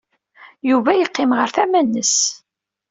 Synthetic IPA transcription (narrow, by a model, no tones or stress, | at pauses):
juvæjəqːɪmʁəɾθæmænːəs